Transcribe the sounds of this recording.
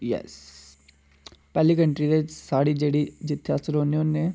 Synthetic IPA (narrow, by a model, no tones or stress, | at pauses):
jɛ̰s | pɛːlikə̃ɳʈɾid̪esaːɽid͡ʒeːɽid͡ʒɪt̪ʰːeasəɾɦoːneʊnːẽ